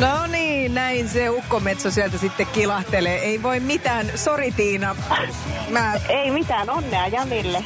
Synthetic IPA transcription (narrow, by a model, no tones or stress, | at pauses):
noniːnnæinseukːomet̪sosiælt̪æsit̪ːekkilɑht̪eleːeiʋoimmit̪æːnsorit̪iːnɑ | mæːeimit̪æːnonːeɑjɑmilːe